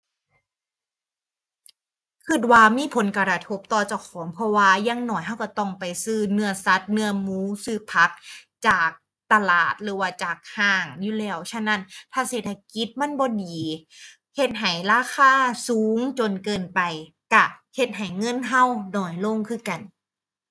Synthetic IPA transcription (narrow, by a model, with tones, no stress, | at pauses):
kʰɯ˧˩t̪̚waː˧˩miː˧˥˨pʰo˨˦nka˧ɾa˧t̪ʰo˦˥p̚t̪ɔː˧˩t͡ɕa˧˩kʰɔː˨˦ŋpʰɔ˧˥waː˧˩jaː˧˥˨ŋnɔː˧˨˩jɦa˧˥˩wka˧˩t̪ɔ˧˩ŋpa˨jsɯː˧˩nɯ˧˥ɐsa˧˥t̪̚nɯ˧ɐmuː˦˥sɯː˧˩pʰa˦˥k̚t͡ɕaː˨˩k̚ | t̪a˧laː˨˩t̪̚ɾɯː˨˦waː˧˩t͡ɕaː˨˩k̚haː˧˩ŋjuː˧lɛː˧˩wt͡ɕʰa˧˥˨na˧˥˨nt̪ʰaː˧˥˩seː˨˩t̪ʰa˧ki˧˦˥t̪̚ma˧˥˨nbɔː˧˦diː˨˩ | he˧˩t̪̚ɦa˨˩jlaː˧˩kʰaː˧˥˩suː˨˦ŋt͡ɕo˧nkɤː˧npa˨˩j | ka˧˩he˧t̪̚ɦa˨˩jŋɤ˧˥˨nɦa˧˥˩wnɔː˨˩jloː˧˥˨ŋkʰɯː˧˥˨ka˨˩n